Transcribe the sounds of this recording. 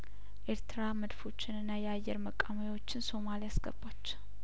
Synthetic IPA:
ʔe̞ɾt̪ɨɾaməd̪fo̞t͡ʃːɪnɨnːajɛajːɛɾməkʼːamojwo̞t͡ʃːɪnso̞malijasɡə̰bat͡ʃː

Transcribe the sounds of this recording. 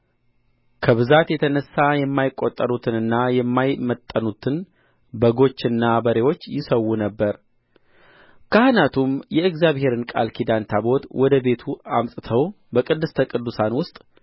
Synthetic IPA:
kʰəβɨzat̪jɛt̪ʰənəsːajɛmːajɪkʼːot̪ʼːəɾut̪ʰɨnɨnːajɛmːajmət̪ʼːənut̪ʰɨn | bəɡo̞t͡ʃːɨnːabəɾewo̞t͡ʃːjɪsəwːunəbːəɾ | kʰəhɨnat̪ʰumjɛɨɡzjaβhe̞ɾɨnkʼa̰lkʰid̪ant̪ʰabo̞t̪wʔɔd̪əbe̞t̪ʰuamt̪ʼɨt̪ʰəw | bəkʼɨd̪ːɨst̪ʰəkʼɨd̪ːusanwʊst̪ʼ

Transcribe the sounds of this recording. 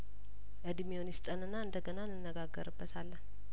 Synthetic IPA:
ʔɨd̪mionjɪst̪ʼənɨnːaɨnd̪əɡənanːɨnːəɡaɡːəɾɨbːət̪ʰalːən

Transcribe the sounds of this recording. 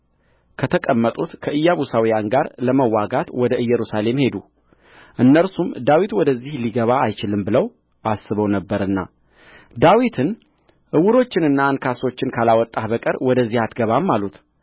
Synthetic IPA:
kʰət̪ʰəkʼəmːət̪ʼut̪kʰəʔɨjːaβusawijanɡaɾləməwːaɡat̪wɔd̪əʔɨjːɛɾusale̞mhe̞d̪u | ʔɨnːəɾsumd̪awit̪wɔd̪əzːihliɡəβaajt͡ʃɪlɨmbɨləw | ʔasːɨβəwnəbːəɾɨnːa̰ | d̪awit̪ʰɨn | ʔɨwʊɾo̞t͡ʃːɪnɨnːaːnkʰaso̞t͡ʃːɪnkʰalawɔt̪ʼːahbəkʼəɾwɔd̪əzːihat̪ɡəβamːalut̪

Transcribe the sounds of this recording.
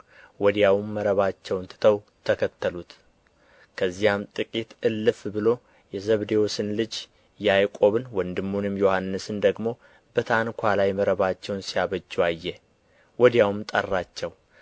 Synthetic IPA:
wɔd̪jawmːəɾəβat͡ʃːɛwnt̪ʰɨ̥t̪ʰəw | t̪ʰəkʰət̪ːəlut̪ | kʰəzːijamt̪ʼɨkʼit̪ɨlːɨfbɨlo̞ | jɛzəβd̪ewosɨnlɨd͡ʒ | jajkʼo̞βɨnwɔnd̪ɨmːunɨmjo̞hanːɨsɨnd̪əɡmo̞ | b̥ət̪ʰankʷʰalajməɾəβat͡ʃːɛwnsijaβəd͡ʒːuajːɛ | wɔd̪jawɨmt̪ʼərːat͡ʃːɛw

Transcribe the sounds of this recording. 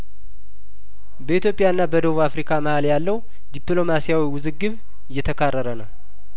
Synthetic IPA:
bəit̪jo̞pʼɪjaɨnːabəd̪əβuβafɾikʰaməhaljalːəw | d̪iplo̞masijawiwʊzɨɡːɨβ | ɨjːɛt̪ʰəkʰarːəɾənəw

